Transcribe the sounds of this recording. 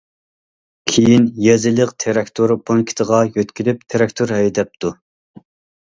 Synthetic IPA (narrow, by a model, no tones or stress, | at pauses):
kʲʰijinjɛzɨlˠəqt̪ʰeɾɛkʲt̪ʰoɾpʰoŋkʲʰi̥t̪ʰəʁɑjøt̪kʲʰilɪp̚t̪ʰeɾɛkʲt̪ʰoɾɦɛjd̪ɛp̚t̪ʰu